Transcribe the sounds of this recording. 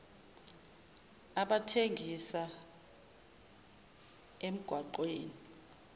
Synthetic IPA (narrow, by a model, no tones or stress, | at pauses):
aɓatʰeŋʱisa | em̩ɡ̥ʱwaǃweːni